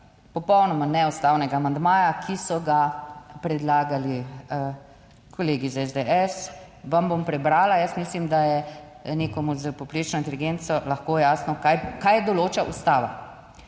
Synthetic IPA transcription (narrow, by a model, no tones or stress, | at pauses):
pɔpɔwnɔmanɛust̪aːwnɛɡaːmand̪maːjakʰisɔɡapɾɛd̪laːɡali | kʰɔleːɡizaɛzd̪eʔɛs | ʋɐmbompɾɛbɾaːlajəsmislimd̪ajɛ | neːkɔmuzəpɔwpɾet͡ʃnɔint̪̬ɛliɡent̪sɔlaxkojaːsnɔkajkajɛd̪ɔloːt͡ʃaʔust̪aːʋa̰